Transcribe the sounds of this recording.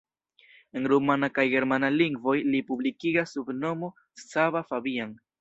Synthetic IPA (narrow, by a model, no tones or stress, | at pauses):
e̞nɾumanakajɡe̞ɾmanaliŋɡvo̞jlipublikiɡasːubno̞mo̞ | saβafabian